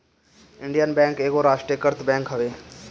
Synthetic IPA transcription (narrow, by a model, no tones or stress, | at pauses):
ɪ̃ɳɖijənbɛ̃ːŋkeːkoɾaːʃʈɾijəkəɾt̪bɛ̃ːŋkɦəʋeː